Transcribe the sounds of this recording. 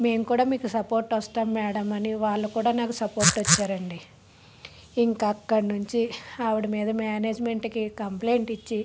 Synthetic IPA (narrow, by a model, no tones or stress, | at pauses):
me̞ːmukuːɽaːmiːkusɐpo̞ːɾʈʋɐst̪aːmːɛːɽɐmɐniʋaːɭːɐkuːɽaːnaːkusɐpo̞ːɾʈʋɐt͡ʃːaːɾɐɳɖi | iŋkɐkːɐɽɐnuɲt͡ʃiɐʋuɽimiːd̪ɐmaːneːd͡ʒme̞ɳʈkikɐmple̞ːɳʈit͡ʃːi